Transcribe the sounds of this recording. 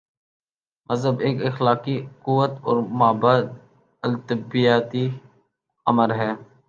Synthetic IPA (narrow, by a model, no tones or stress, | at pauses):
məzɦəbeːkɪxlaːkikʊʋət̪ɔ̰ːɾmaːbaːd̪̚ | əlt̪ɪbijaːt̪i | əməɾɦɛː